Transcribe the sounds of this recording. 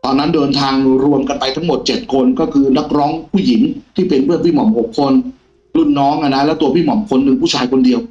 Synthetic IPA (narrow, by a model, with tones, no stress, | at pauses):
t̪ɔː˧nːa˦˥ndɤː˧nt̪ʰaː˧ŋɾu˧əmka˧npa˧jt̪ʰa˦˥ŋmo˨˩t̪̚t͡ɕe˨˩t̪̚kʰo˧nkɔː˥˩kʰɯː˧na˦˥˩k̚ɾɔː˦˥ŋpʰuː˥˩ji˩˦ŋt̪ʰiː˥˩pe˧npʰɯ˥˩npʰiː˥˩mɔ˨˩˦mho˨˩kʰːo˧n | lu˥˩nːɔː˦˥ŋʔa˧na˦˥lɛː˦˥t̪u˧ɐpʰiː˥˩mɔ˨˩˦mkʰo˧nːɯ˧ŋpʰu˥˩t͡ɕʰaː˧jkʰo˧ndi˧əw